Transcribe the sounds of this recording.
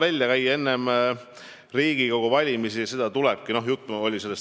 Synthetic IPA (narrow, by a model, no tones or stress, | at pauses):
vælʲjɑkæje̞nːe̞m | riːɡ̥iko̞ɡ̥uvɑlʲimisijɑse̞d̪̥ɑt̪ulɛb̥̚kino̞ɦjut̪ːˑo̞lʲise̞lːes